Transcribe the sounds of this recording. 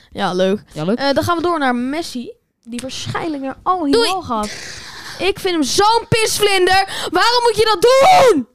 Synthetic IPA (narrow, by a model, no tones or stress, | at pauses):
jaløɥkdɑ̃nχaːnʋədʊːɹnaːɹmɛsi | diʋaːɹsχɛ̰jnləkmaɹɑlˠɦiχɑtʔɪkfɪntəmzownpɪsflɪndəɹʋaːrɔmːutjədɑt̚dun